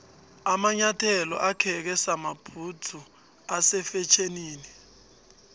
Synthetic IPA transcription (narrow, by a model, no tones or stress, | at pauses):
amaɲatʰɛlɔ̰ʔakʰɛk̬ɛsamab̥ʰʱutʰu | asɛfɛt͡ʃʰeniːni